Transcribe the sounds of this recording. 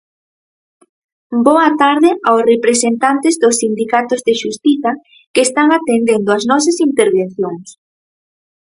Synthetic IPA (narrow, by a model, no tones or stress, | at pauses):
bɔɐt̪aɾðɪʔaosrepɾesent̪ant̪ɪzðʊsːind̪ikat̪ʊzðeʃust̪iθɐ | kest̪aŋat̪end̪end̪ʊɐznɔs̬ɐsint̪eɾβen̟θjoŋs